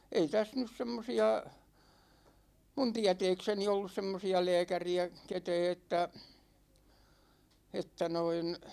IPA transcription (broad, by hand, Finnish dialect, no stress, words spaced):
ei tæs nys semːosiɑ mun tiæ̝tɛːkseni olːus semːosiɑ lɛːkæriæ ketɛː etːæ etːæ noin